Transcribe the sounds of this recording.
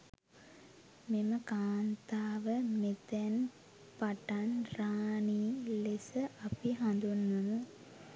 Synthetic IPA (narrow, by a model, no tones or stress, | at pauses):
meməkaːnt̪aːʋəmet̪en | paʈanraːniːlesəʔɐpiɦɐ̃nd̪unːunu